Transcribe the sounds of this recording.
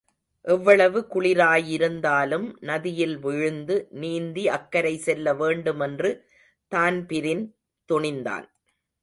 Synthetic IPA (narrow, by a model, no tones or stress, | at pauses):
ʔɛʋːɐɭɐʋɯkʊɭɪɾaːjɪɾɯnd̪aːlɯmnɐðɪjɪlʋɪɻɯnd̪ɯniːnd̪iɐkːɐɾɐɪsɛlːɐʋeːɳɖɯmɛndrɯ | t̪aːnpɪɾɪn | t̪ʊɳɪnd̪a̰ːn